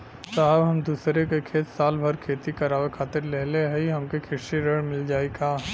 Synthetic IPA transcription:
saːɦbɦɐmd̪uːsɾekekʰeːt̪saːlbʱɐɾkʰeːt̪ikɐɾaːʋekʰaːt̪ɪɾleɦleɦɛiɦɐmkekʰɪʃiɾəɽmɪld͡ʒaːekaː

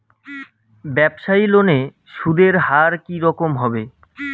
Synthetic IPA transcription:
bɛbʃailone | ʃud̪ʱeɾɦaɾkiɾɔkomɦɔbe

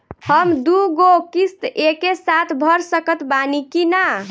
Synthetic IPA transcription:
həmd̪uɡokist̪ekesat̪ʰbʱəɾsəkət̪banikina

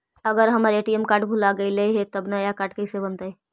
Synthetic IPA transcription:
ɐɡəɾɦɐmaɾeːʈiemkaːʈbʱulaɡɐileiɦet̪ɐbnajakaːʈ̚kɐisebɐnt̪ae

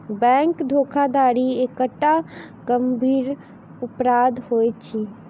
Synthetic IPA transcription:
bɛ̃ŋkd̪ʱokʰad̪aːɾiekəʈːa | ɡəmbʱiːɾ | ʊpɾaːd̪ʱhojt͡ʃʰi

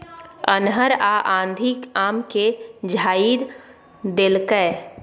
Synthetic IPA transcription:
ənɦəɾaʔãːnd̪ʱikaːmked͡ʒʱaːiɾ | d̪elkə

